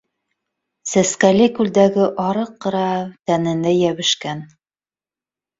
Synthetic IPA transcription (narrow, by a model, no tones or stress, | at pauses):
sæskælʲikʉld̪æɡɘʔɑɾɤqːɤ̆ɾɑt̪ænɘ̆nd̪æjæβɘ̆ʃkæn